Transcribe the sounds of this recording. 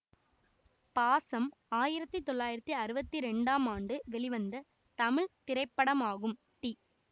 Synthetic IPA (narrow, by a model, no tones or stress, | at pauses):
paːsɐm | aːjɪɾɐt̪ːit̪ːɔɭːaːjɪɾɐt̪ːiɐɾɯbɐt̪ːiɾɛɳɖaːmaːɳɖɯʋɛɭɪʋɐnd̪ɐ | t̪ɐmɪɭt̪ɪɾɐɪpːɐɽɐmaːɣɯm | ʈi